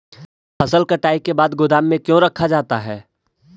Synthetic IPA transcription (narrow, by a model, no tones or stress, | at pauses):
pɐsəlkɐʈaːikebaːd̪ɡʊd̪aːmːẽkjõɾɐkʰad͡ʒaːt̪aɦɛː